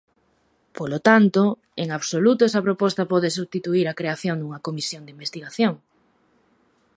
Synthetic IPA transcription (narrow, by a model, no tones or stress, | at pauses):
polot̪ant̪o | eŋaβsolut̪oɛsɐpɾopɔst̪ɐpɔðɪsuβst̪it̪uiɾɐkɾeaθjond̪uŋɐkomisjoŋd̪eimbest̪iɣaθjoŋ